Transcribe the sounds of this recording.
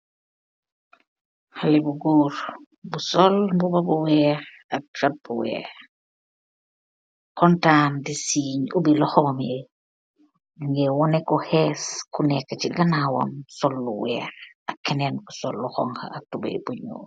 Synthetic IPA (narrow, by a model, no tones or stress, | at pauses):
halibuɡuːɾ | busɔlbubɐbuwɛːɾ | ɐk̚ɾat̚buwɛ̰ːɾ | kɔntandisiːɲubilɔxɔme | ŋɡɛwɔnɛkɔhɛːskunɛkːaciɡɐnawɐ̰msɔlːuwɛːɾ | ɐkːɛnɛnbusɔlːuxɔ̰ŋha̰atubḛbuɲo̰ː